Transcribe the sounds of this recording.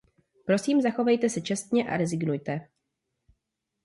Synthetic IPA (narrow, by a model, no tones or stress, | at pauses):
pɾo̞siːmzaxo̞vɛjt̪ɛsɛt͡ʃɛst̪ɲɛʔa̰ɾɛzɪɡnujt̪ɛ